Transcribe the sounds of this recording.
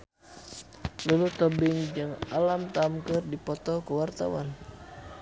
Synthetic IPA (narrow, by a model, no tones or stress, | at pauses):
lulut̪ɔbɪŋd͡ʒɨŋalamt̪amkɨrdipɔt̪ɔkəwart̪a̰wan